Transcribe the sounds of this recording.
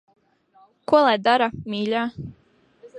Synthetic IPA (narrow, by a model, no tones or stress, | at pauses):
kɔlˠad̪aɾamiːʎaː